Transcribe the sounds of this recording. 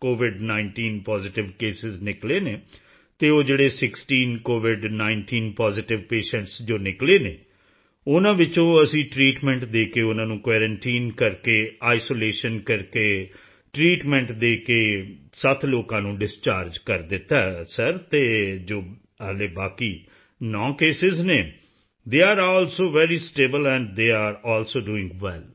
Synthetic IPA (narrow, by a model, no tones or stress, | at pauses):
koːʋɪɖnaːɪɳʈiːnpaːzɪʈɪʋkeːsɪznɪkleːneː | t̪eːoːd͡ʒeːɽeːsɪksʈiːnkoːʋɪɖnaːɪɳʈiːnpaːzɪʈɪʋpeːʃɛ̃ɳʈsd͡ʒoːnɪkleːneː | ʊnãːʋɪt͡ʃõːəsĩːʈɾiːʈmɛ̃ːɳʈd̪eːkeːʊnãːnũːkʋɛːɾə̃ɳʈiːnkəɾkeːaːɪsoːleːʃənkəɾkeː | ʈɾiːʈmɛ̃ːɳʈd̪eːkeː | sət̪ʰloːkãːnũːɖɪst͡ʃaːɾd͡ʒkəɾd̪ɪt̪ːaːɛsəɾt̪eːd͡ʒoː | əːleːbaːkiː | nɔ̃ːkeːsɪzneː | d̪eːaːɾɔːlsoːʋɛːɾiːsʈeːbəlɛ̃ːɳɖd̪eːaːɾɔːlsoːɖuːɪ̃ŋɡʋɛl